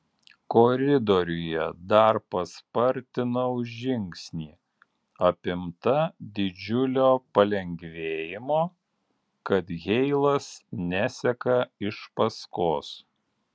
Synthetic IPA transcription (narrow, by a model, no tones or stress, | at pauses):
kɔɾʲɪd̪ɔɾʲʊjɛd̪ɐɾpɐspɐɾʲt̪ʲɪnɐʊʒʲɪŋʲksʲnʲiː | ɐpʲɪmt̪ɐd̪ʲɪd͡ʒʲʊlʲoːpɐlʲɛŋʲɡʋʲeːjɪmoː | kɐt̪ɣʲɛɪlˠɐsnʲæsʲɛkɐɪʃpɐskoːs